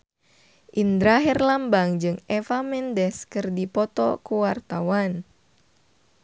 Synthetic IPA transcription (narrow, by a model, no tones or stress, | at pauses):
ʔind̪ɾaɦɛrlambaŋd͡ʒɨŋɛfamɛndɛskɨrdipɔt̪ɔ̰kuwart̪awan